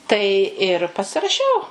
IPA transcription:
tɐɪ ɪr pɐsʲɪrɐˈʃʲɛʊ

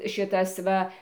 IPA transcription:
ˈʃʲɪtɐs ˈʋɐ

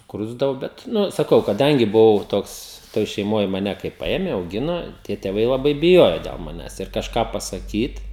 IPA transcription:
sʊkˈrʊzdɐʋoː ˈbʲɛt ˈnʊ sɐˈkɐʊ kɐˈdɐŋʲɡʲɪ bʊˈʋɐʊ ˈtoːks ˈtoːj ʃʲɛɪˈmoːj mɐˈnʲɛ kɐɪ ˈpɐeːmʲɛ ɐʊˈɡʲɪnoː tʲiɛ tʲeːˈʋɐɪ lˠɐˈbɐɪ bʲɪˈjoːjoː dʲɛlˠ mɐˈnʲæːs ɪr kɐʃˈkɑː pɐsɐˈkʲiːt

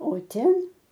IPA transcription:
oː ˈtʲɛn

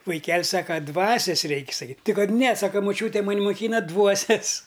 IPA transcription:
ʋɐɪˈkʲɛlʲ sɐkɐ ˈdʋɑːsʲɛs ˈrʲɛɪkʲ sɐˈkʲiːtʲ ˈtʲɪ ˈkɐt nʲɛ ˈsɑːkɐ mɐˈt͡ʃʲuːtʲeː mɐˈnʲ mʊˈkʲiːnɐ ˈdʋuɔsʲɛs

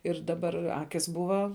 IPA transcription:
ɪr dɐˈbɐr ˈɑːkʲɪs ˈbʊʋɐ

